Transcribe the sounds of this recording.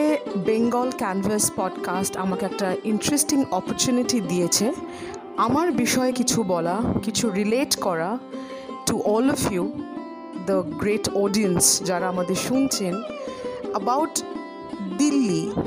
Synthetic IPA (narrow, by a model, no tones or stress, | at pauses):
ebeŋɡɔlkɛnvəspɔɖkasʈa̰makeɛk̚ʈainʈɾesʈiŋɔpoɾt͡ɕuniʈid̪ijet͡ɕʰe | amaɾbiʃɔekit͡ɕʰubɔlakit͡ɕʰuɾileʈkɔɾa | ʈuʔɔlɔfju | d̪əɡɾeʈɔɖiənsd͡ʑaɾaamad̪eɾʃunt͡ɕʰen | əbawʈ | d̪ilːi